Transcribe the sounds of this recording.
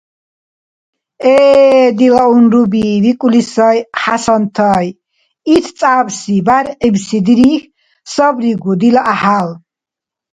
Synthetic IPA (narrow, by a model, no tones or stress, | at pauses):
ɛːd̪ilaunɾubivikʼulisɔjħasɔnt̪ʰaj | it̪ʰt͡s̪ʼabsibaɾqibsid̪iɾix | sɔbɾiɡud̪ilaʔahal